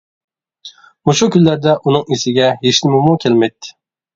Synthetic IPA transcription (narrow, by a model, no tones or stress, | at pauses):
muʃukʲylːæɾd̪ɛʔunɨŋisɪɡʲɛɦeʃnɪmɪmukʲʰelmɛjt̪ʰːɪ̥